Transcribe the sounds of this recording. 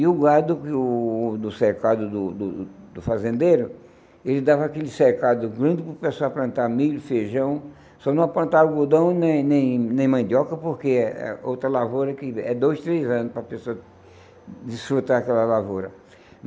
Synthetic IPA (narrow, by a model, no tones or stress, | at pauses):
iʊɡad̪ʊkɪʊd̪ʊseɾkad̪ʊd̪ʊd̪ʊ | d̪ʊfazẽnd̪eɾʊ | elɪd̪avɐakelɪseɾkad̪ʊɡɾɐ̃nd̪ɪpʊpesoapɾɐ̃nt̪aɾmilʊfeʒɐ̃w̃ | sɔnɐ̃w̃aplɐ̃nt̪aɾʊɡod̪ɐ̃w̃nẽj̃nẽj̃nẽj̃mɐ̃d̪iɔkɐpoɾkeɛɛ̰owt̪ɾɐlavoɾɐkɪɛd̪ojst̪ɾezɐ̃nʊspɾɐpesoɐ | d̪isfɾut̪aɾakɛlɐlavoɾɐ